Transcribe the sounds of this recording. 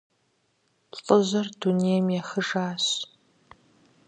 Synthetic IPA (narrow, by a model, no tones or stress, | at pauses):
ɬʼəʑɐrduneːjɐmjɛxɨʒaːɕ